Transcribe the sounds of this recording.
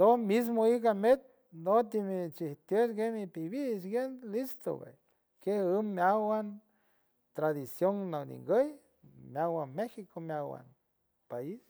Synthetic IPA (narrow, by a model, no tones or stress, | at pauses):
d̪omis̬moikamet̪̚ | nd̪ot̪imit͡ʃiht̪jət͡ʃɡemipibisɡenlist̪o̰bḛj | kehəmːjawan | t̪ɾad̪isjoŋnawnḭŋɡəj | mjawanmexikomjawa̰n | pais